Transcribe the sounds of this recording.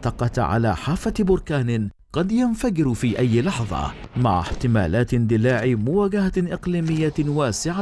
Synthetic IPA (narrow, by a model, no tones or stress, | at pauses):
t̪ɑqɑt̪ʕa̰la̰ːħaːfabʊɾkaːnɪ | qɑd̪janfaɡɪɾfiːʔajːɪlɑħðˤɑ̰ma̰ʕa̰ħt̪ɪma̰ːlaːt̪ɪnd̪ɪlaːʕimʊwaːɡahaʔɪqliːmɪjːawaːsɪʕa